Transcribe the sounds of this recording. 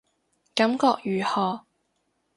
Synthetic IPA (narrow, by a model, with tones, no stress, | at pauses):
kɐ˨˥mkɔː˧k̚jyː˨˩hɔː˨˩